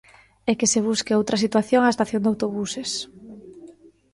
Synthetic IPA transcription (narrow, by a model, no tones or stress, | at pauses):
ɛkeseβ̞uskeowt̪ɾɐsit̪waθjoŋaest̪aθjond̪awt̪oβuses